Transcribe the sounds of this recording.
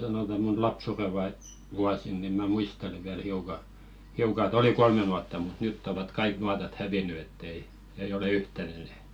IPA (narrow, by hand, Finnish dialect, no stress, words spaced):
sɑnoˑtɑ mun lɑpsure ʋɑi ʋuɑsin ni mæ muistele ʋiæl hiukɑ hiukɑ ĕt oli kolme nuɑtːɑ mut nytː oʋɑt kɑik nuɑtɑt hæʋiny etː ei eij ole yhtæn enɛ e̥t